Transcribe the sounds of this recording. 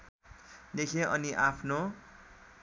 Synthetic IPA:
d̪ekʰẽʌniʔapʰno

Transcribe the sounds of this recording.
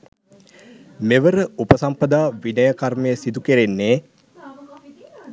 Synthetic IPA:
meʋəɾəupəsampɐd̪aːʋinəjəkarməjəsid̪ukeɾenːeː

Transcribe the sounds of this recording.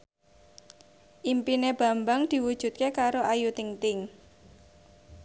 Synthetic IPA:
ʔimpineb̥ä̤mbaŋd̪̥i̤wud̥ʒ̥ṳt̪̚kekaɾoʔajut̪iŋt̪ɪŋ

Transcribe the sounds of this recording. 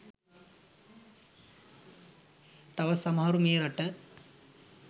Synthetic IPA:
t̪ɐʋɐsɐmɐɦɐɾumeːɾɐʈɐ

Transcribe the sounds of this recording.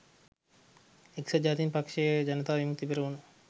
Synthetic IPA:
eksɐd͡ʒaːt̪inpɐkʃejd͡ʒɐnət̪aːʋimuk̚t̪ibeɾɐunu

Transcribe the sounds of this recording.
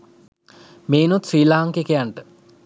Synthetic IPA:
meːnut̪siːlaːŋkekejaɳʈə

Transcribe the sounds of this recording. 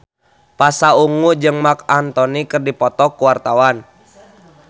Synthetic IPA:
pasauŋud͡ʒɨŋmakant̪ɔnikɨrdipɔt̪ɔkuwart̪awan

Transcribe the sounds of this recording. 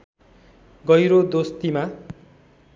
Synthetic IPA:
ɡʌjɾod̪ost̪ima

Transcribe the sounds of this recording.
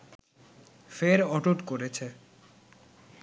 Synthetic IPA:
feɾɔʈoʈkoɾet͡ɕʰe

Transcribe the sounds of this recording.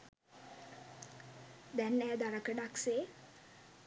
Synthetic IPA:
d̪ɛnæːd̪aɾəkəɖakse

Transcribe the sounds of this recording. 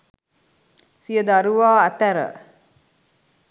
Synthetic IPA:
sijəd̪aɾuʋaːɐt̪æɾə̰

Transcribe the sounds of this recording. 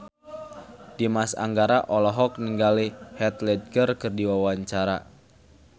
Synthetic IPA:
dimasa̰ŋɡaɾaʔɔlɔɦɔk̚niŋɡalihɛt̪lɛd̚ɡərkɨrdiwawaɲt͡ʃaɾa̰

